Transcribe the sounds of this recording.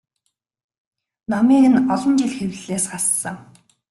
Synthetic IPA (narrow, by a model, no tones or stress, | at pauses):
namiːɣɘ̆nɔɮɞ̆nt͡ɕiɮxew̆ʲɮeːsχasːə̆ŋ